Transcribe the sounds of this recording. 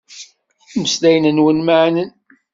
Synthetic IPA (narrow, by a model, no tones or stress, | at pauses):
məslæjnənwənmaʕnən